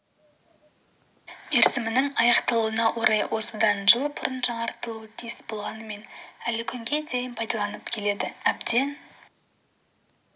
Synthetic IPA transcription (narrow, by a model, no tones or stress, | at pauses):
eɾsɪmɪnɪŋɑjɑqt̪ɑlˠuənɑwʔo̞ɾɑjwʔo̞səd̪ɑnʒəlˠbʰʊɾənʒɑɴɑɾt̪əlˠut̪ʰijɪsbo̞lˠʁɑnəme̞nælɪkʲʰʏŋɡʲe̞d̪ejɪnpʰɑjd̪ɑlˠɑnəpkʲʰe̞le̞d̪ɪæbd̪e̞n